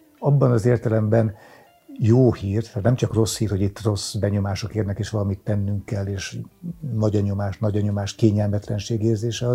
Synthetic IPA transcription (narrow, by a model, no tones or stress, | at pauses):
ɒbːɒnɒzeːrt̪ɛlɛmbɛn | joːhiːrt̪ɛnɛmt͡ʃɒkro̞shiːrho̞ɟit̪ːro̞sbɛɲo̞maːʃokeːrnɛkeːʃʋɒlɒmit̪ːɛnːyŋkːɛlːeːʃnɒɟɒɲo̞maːʃnɒɟɒɲo̞maːʃt̪keːɲɛlmɛt̪lɛnʃeːɡeːrzeːʃɛɒ